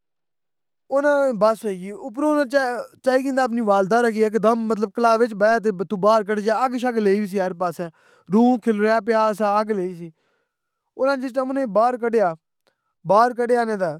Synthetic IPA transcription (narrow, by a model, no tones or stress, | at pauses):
ʊnãːbəsiːʊpɾoːnãːt͡ʃːt͡ʃaːiːkĩːnd̪aːp̬niːʋaːld̪aːɾəkʰiːɪkd̪əmːət̪ləb̚kəlaːʋɪt͡ʃbɛːt̪̬eːət̪ũːbaːɾkəɖd͡ʒaːəkʃəkleːiːʋis̬iːɛɾpaːsɛː | ɾũːkʰɪlɾɪaːpɪjaːsaəɡleːiːsiː | ʊnãːd͡ʒɪʈãʊnẽːbaːɾkəɖejaː | baːɾkəɖeːaːnẽːd̪aː